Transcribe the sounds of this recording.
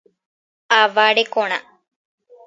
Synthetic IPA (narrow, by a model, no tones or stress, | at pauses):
aʋaːɖekoɳɐ̰